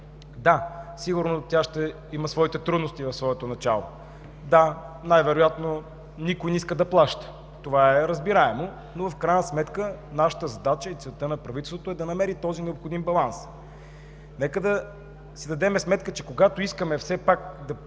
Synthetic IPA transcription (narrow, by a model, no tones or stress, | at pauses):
d̪asiɡʊɾnot̪ʲaʃt̪ɛ | iməsvɔit̪ɛt̪ɾud̪nost̪ivɐfsvɔɛt̪onɐt͡ʃa̰lˠo̰ | d̪a | najvɛɾojat̪no | nikojniskəd̪ɐplˠaʃt̪ə̥ | t̪ovaɛɾəzbiɾaɛmo | novɐfkɾajnəsmɛt̪kənaʃə̥t̪əzɐd̪at͡ʃəit̪svɛlˠt̪ənɐpɾɐvit̪ɛlˠst̪vot̪ʊɛd̪ɐnɐmɛɾit̪ɔzinɛopxod̪imbɐlˠans | nɛkəd̪ɐ | sid̪ɐd̪ɛmɛsmɛt̪kət͡ʃɛkoɡat̪oiskəmɛfsɛpak̚d̪ɐ